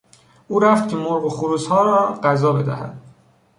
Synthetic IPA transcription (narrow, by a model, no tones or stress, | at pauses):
ʔuːɾæft̪̚cʲʰe̞moɾɢexuɾuːzhɒːɾɒːɢæzɒːbe̞d̪æ̰hæ̰d̪̥̚